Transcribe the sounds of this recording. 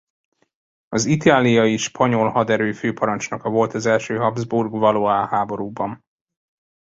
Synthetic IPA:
ɒzit̪aːlijɒjiʃpʰɒɲo̞lhɒd̪ɛɾøːføːpʰɒɾɒnt͡ʃnɒkɒvo̞lt̪ɒzɛlʃøːɦɒbzburɡvɒloːaːhaːbo̞ɾuːbɒn

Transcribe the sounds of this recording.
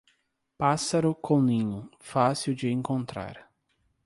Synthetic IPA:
pasaɾʊkʰõnĩɲʊfasiwd͡ʒɪẽŋkõnt̪ɾa̰ɾ

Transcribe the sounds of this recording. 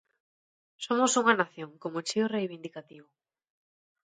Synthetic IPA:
somosuŋanaθjoŋkomot͡ʃiorejβind̪ikat̪iβo

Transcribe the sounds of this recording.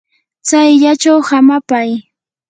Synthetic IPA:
t͡sajʎat͡ʃawhamapaj

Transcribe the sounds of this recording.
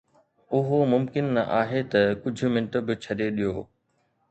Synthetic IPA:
ʊɦomʊmkɪnːɐʔaːɦet̪ɐkʊd͡ʑʱʊ̆mɪ̃ɳʈʊbɪt͡ɕʰɐɗeɗijoː

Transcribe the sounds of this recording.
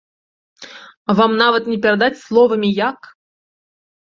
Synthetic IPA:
vamnɑvət̪nʲɪpʲɪrd̪atʲslˠɔvəmʲijak

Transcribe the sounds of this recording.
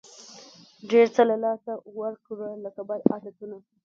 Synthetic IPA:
ɖeɾt͡səlalɑsawəɾkɾələkabɑjd̪ɑd̪at̪una

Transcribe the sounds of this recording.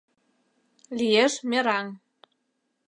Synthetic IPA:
lijeʃmʲeɾɑŋ

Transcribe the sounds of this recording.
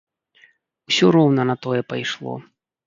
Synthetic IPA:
wsʲɔɾɔwnɐnɐt̪ɔjɛpajʂlˠɔ̰

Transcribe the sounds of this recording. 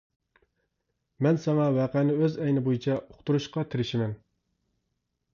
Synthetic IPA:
mɛnsɛŋɑwɛqænɪøzɛjnɪbojit͡ʃʰɛoχt̪uɾuʃqɑt̪ʰɪɾɪʃɪmɛn

